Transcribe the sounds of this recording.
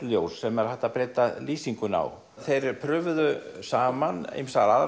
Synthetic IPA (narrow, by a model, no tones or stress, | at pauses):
ljowsːɛmɛɾhaht̪ːapɾɛːt̪aliːsiŋkʏna̰w | θejɾpʰɾœːvðʏsaːmanḛjmsaɾaða